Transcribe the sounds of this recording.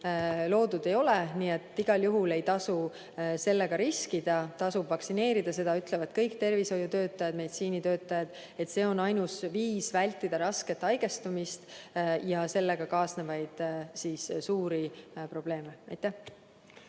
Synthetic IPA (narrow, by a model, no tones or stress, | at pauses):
lo̞ːd̪ud̪e̞jo̞leniːe̞t̪ːˑiɡ̥ɑljuɦule̞jt̪ɑsu | se̞lːe̞ɡ̥ɑɾiskid̪̥ɑt̪ɑsubvɑksine̞ːɾid̪̥ɑse̞d̪̥ɑyt̪ˑle̞vɑd̪̥kɤjkt̪e̞rviso̞jut̪ø̞ːt̪ːˑɑjɑd̪̥me̞d̪it̪siːnit̪ø̞ːt̪ˑːɑjɑd̪̥ | e̞t̪se̞ːo̞nɑjnusviːsvælʲt̪ːˑid̪̥ɑɾɑske̞t̪ːˑɑjɡ̥e̞st̪umist̪jɑse̞lːe̞ɡ̥ɑkɑːsnevɑjd̪̥sissuːɾipro̞b̥le̞ːmeɑjt̪ːˑæh